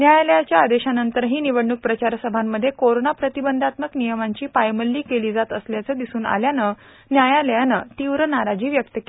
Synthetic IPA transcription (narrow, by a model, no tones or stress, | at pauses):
njajaləjat͡ɕjaːd̪eɕanənt̪əɾɦiːniʋəɽɳuk̚pɾət͡ɕaɾsəbʱamːəd̪ʱːjekoɾonapɾət̪ibənd̪ʱat̪məknijəmaɲt͡ɕiːpajməlːiːkeliːd͡zat̪əsljat͡səːd̪isuːna̰ljanə | njajaləjanət̪iʋɾənaɾad͡ʑiːʋjək̚t̪əke